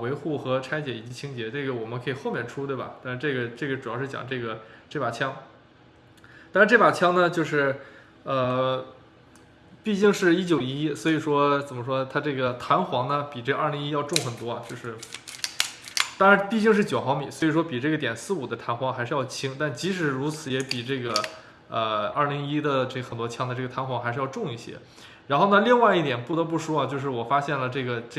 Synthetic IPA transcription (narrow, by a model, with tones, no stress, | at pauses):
we˧˥ɪxu˥˩xɤ˧˥ʈ͡ʂʰa˥ɪt͡ɕjɛ˨˩i˨˩t͡ɕi˧˥t͡ɕʰi˥ŋt͡ɕjɛ˧˥ʈ͡ʂɤ˥˩ɡə˩wɔ˨˩mə˦nkʰɤ˧˥i˨˩xo˥˧ʊmjɛ˥˩nʈ͡ʂʰu˥t̪we˥˩bɐ̰˩t̪a˥˧˥ʈ͡ʂɤ˥˩ɡə˩ʈ͡ʂɤ˥˩ɡə˩ʈ͡ʂu˨˩jɑ˥ʊʂɻ̩˥˩jɑ̰˨˩ŋʈ͡ʂɤ˥˩ɡə˩ʈ͡ʂɤ˥˩pa˨˩t͡ɕʰjɑ˥ŋ | t̪ɑ˥ɻʈ͡ʂɤ˥˩pa˨˩t͡ɕʰjɑ˥ŋnə˧t͡ɕjo˥˧ʊʂɻ̩˥˧ | ə˧ | pi˥˧t͡ɕi˥˧ŋʂɻ̩˥˩i˥t͡ɕjo˨˩ʊi˧˥i˥swɔ˧˥i˨˩ʂwɔ˥t͡sə˨˩mə˦ʂ̬wɔ˥t̪ʰa˥ʈ͡ʂɤ˥˩ɡə˩t̪ʰa˧˥nxwɑ˧˥ŋnə˧pi˨˩ʈ͡ʂɤ˥˩˧ʔa˞˥˩li˧˥ŋi˥jɑ˥˧ʊʈ͡ʂʊ˥˩ŋxə˨˩nt̪wɔ˥ɐ˨˩t͡ɕjo˥˧ʂɻ̩˥˩ | t̪ɑ˥ŋɻa˧˥npi˥˧t͡ɕi˥˧ŋʂ̬ɻ̩˥˩t͡ɕjo˨˩ʊxɑ˧˥ʊmi˨˩˦swɔ˧˥i˨˩ʂ̬wɔ˥pi˨˩ʈ͡ʂɤ˥˩ɡə˩t̪jɛ˨˩nsɹ̩˥˩u˨˩d̪ə˦t̪ʰa˧˥nxwɑ˧˥ŋxa˧˥ʂɻ̩˥˧jɑ˥˩ʊt͡ɕʰi˥ŋt̪a˥˩nt͡ɕi˧˥ʂɻ̩˧˥ɻu˧˥t͡sʰɹ̩˧˥jɛ˧˥pi˨˩ʈ͡ʂɤ˥˩ɡə˩ | ə˧ɐ̰˞˥˩li˧˥ŋi˥d̪ə˨ʈ͡ʂɤ˥˩ɡxə˨˩nt̪wɔ˥t͡ɕʰjɑ˥ŋd̪ə˧ʈ͡ʂɤ˥˩ɡə˩t̪ʰa˧˥nxwɑ˧˥ŋxa˧˥ɪʂɻ̩˥˧jɑ˥˧ʊʈ͡ʂʊ˥˧ŋi˥˩ɕjɛ̰˥ | ɻa˧˥nxo˥˩ʊnə˧li˥˧ŋwa˥˧ɪi˥˩t̪jɛ˨˩npu˥˩ɤ˧˥p̬u˥˩ʂu˥ɐ˧t͡ɕjo˥˧ʊʂ̬ɻ̩˥˩wɔ˨˩fa˥ɕjɛ˥˩nlə˩ʈ͡ʂɤ˥˩ɡə˩ʈ͡ʂ